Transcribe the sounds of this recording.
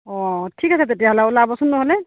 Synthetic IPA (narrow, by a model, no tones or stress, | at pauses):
ɔtʰikasɛt̪etijaɦalaʊlabɔsunːɔɦɔlɛ